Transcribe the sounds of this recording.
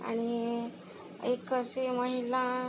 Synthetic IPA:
a̰ɽ̃i | ekəseməɦila

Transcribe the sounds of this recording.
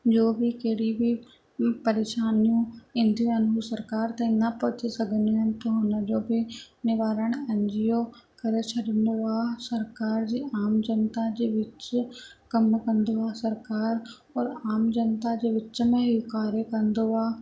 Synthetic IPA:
d͡ʒoːbʱikeːɽibʱi | pəɾeːʃaːnijũɪ̃nd̪jũɐnsəɾkaːɾt̪ɛ̃nəpɐt͡ʃʰesɐɡʱənoənt̪oɦʊnəd͡ʒoːbʱinɪʋaːɾəɳ̃ɛ̃ɲd͡ʒijoː | kəɾet͡ʃʰəɖənd̪oaːsəɾkaːɾd͡ʒiːʔaːmd͡ʒənt̪ad͡ʒeːʋɪt͡ʃkəmkə̃nd̪oaːsəɾkaːɾ | ɔːɾaːmd͡ʒənt̪ad͡ʒeːʋɪt͡ʃmẽɦikaːɾjəkənd̪oaː

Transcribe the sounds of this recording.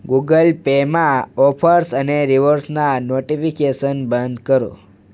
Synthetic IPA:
ɡuɡəlpemãɔpʰəɾsəneɾiʋəɾsnanoʈifikeʃənbənd̪kəɾo̰

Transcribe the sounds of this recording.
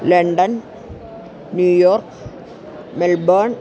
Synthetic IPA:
leɳɖɐn | njuːjoːrk | melbɐɳ

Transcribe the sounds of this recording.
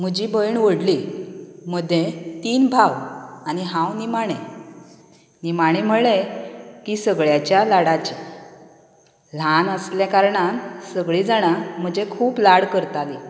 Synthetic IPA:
m̤əd͡ʑibəjɳʋəɽli | m̤əd̪ʱːjet̪iːnbʱawaniɦãwnimaɽ̃ẽ | nimaɽ̃im̤əɭekisəɡɭjat͡ɕjalaɽat͡ɕi | l̤anəsljakaɾɳansəɡɭiːd͡zaɽ̃am̤əd͡ʑekʰuːplaɽkəɾt̪ali

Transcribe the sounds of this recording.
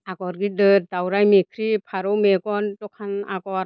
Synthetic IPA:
aɡɔɾɡidɯt̚dawɾajmikʰɾipʰaɾɔwmeɡɔntɔkʰanaɡɔɾ

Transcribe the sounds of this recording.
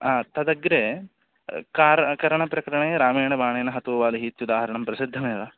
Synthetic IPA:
aːt̪ɐd̪ɐɡɾeː | kaːɾkɐɾɐɳɐpɾɐkɐɾɐɳɐjeːɾaːmeːɳɐbaːɳeːnɐɦɐt̪uːʋaːliɦiːt̪jud̪aːɦɐɾɐɳɐmpɾɐsid̪ʱːɐmeːʋaː

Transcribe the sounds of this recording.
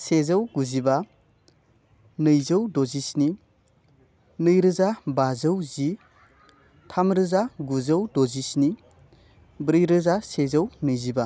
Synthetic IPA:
sezawɡuziba | nɯjzəwdozisni | nɯjɾɯzabazɐwzi | tʰamɾɯzaɡuzɐwdozisni | bɾɯjɾɯzasezɐwnɯjziba

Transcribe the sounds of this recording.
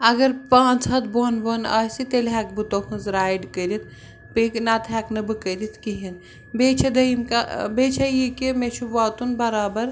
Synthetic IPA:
ɐɡɐɾpãːt͡sɦɐt̪boːnʋɐna̰ːsit̪elɦɛkbɨt̪okʰɨnzɾaːjɖkɐɾit̪̚ʰ | piknaːt̪ɦɛːknɐbɨkəɾit̪ʰkiɦin | beːt͡ʃʰɐd̪ɐimkabet͡ʃʰɐjikimet͡ʃʰuʋaːt̪unbɐɾaːbɐɾ

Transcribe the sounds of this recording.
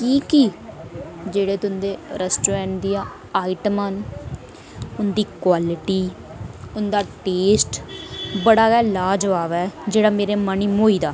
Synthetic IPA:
kiːki | d͡ʒeːɽeːt̪ʊnd̪eːɾɛsʈoːɾɛ̃ːɳʈd̪ijãː | aːɪiʈəmən | ʊnd̪iːkwaːlɪʈiː | ʊnd̪aːʈeːsʈbəɽaːɛːlaːd͡ʒʋaːʋɛːd͡ʒeːɽaːmeːɾeːməniːmoːiːd̪aː

